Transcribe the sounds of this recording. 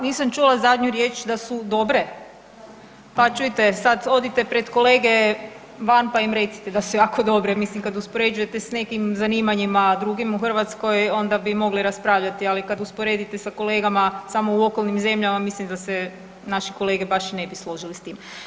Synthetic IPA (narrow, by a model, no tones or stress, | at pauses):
niːsamt͡ʃulˠazad̪ɲuɾje̞ːt͡ʃd̪asud̪o̞bɾe̞ | pat͡ʃujit̪e̞sad̪o̞d̪it̪e̞pɾe̞d̪ko̞le̞ːɡe̞ | ʋanpaimɾe̞t̪si̥t̪ed̪asujaːko̞d̪o̞bɾemislimkad̪uspo̞ɾe̞d͡ʒuje̞t̪e̞sne̞kimzaniːmaɲimad̪ɾuɡimuxr̩ʋat̪sko̞jo̞nd̪abimo̞ɡliɾaspɾaːʋʎat̪ialikad̪uspo̞ɾe̞d̪it̪e̞sako̞le̞ːɡamasamo̞uo̞ko̞lˠnimze̞mʎamamislimd̪ase | naʃiko̞lˠe̞ːɡebaʃne̞bislˠo̞ʒilist̪iːm